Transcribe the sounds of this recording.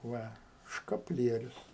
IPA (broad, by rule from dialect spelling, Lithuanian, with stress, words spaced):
ˈʋɐ ʃkɐpʲˈlʲiɛrʲʊs